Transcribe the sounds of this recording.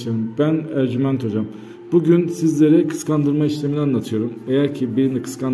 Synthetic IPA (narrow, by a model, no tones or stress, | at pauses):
ebænæɾɟymænt̪ʰo̞d͡ʒam | buɟynsizlʲe̞ɾikʰɯ̥skʰand̪ɯɾmaiʃlʲeminianlˠat̪ʰɯjo̞ɾume̞jæɾcʰibiɾinikʰɯ̥skʰan